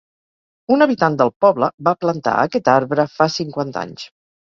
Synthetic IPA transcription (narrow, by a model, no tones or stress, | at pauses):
unəβit̪and̪əlˠpɔβləbaplənt̪a̰ə̰kɛt̪aɾβɾəfasiŋkwant̪a̰ɲs